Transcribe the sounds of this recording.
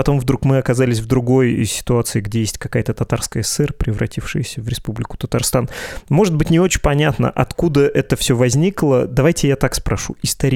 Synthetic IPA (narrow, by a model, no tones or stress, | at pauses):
pɐt̪o̞mvd̪ɾukmɨɐkɐzalʲɪsʲvd̪ɾʊɡo̞jsʲɪ̥t̪ʊat̪sɨɪɡdʲejesʲtʲkɐkajət̪ət̪ɐt̪arskəjəɛsɛrpɾʲɪvɾɐ̰tʲifʂɨjsʲəvɾʲɪspublʲɪkʊ̥t̪ət̪ɐrst̪anmo̞ʐɨd̪bɨtʲnʲɪo̞t͡ɕɪpɐnʲat̪nə̰ʔɐt̪kud̪əʔɛt̪əfsʲɵvɐzʲnʲiklˠəd̪ɐvajtʲɪjat̪akspɾɐʂuɪst̪ɐɾʲ